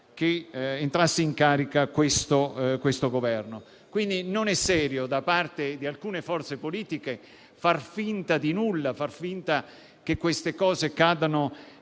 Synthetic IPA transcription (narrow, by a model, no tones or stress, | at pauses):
keent̪ɾasːiiŋkaːɾikakwest̪okwest̪oɡovɛrno | kwind̪inonɛsːɛːɾjod̪apart̪ed̪ialkuːnefɔrt̪sepoliːt̪ike | farfint̪ad̪inulːafarfint̪a | kekːwest̪ekɔːzekaːd̪ano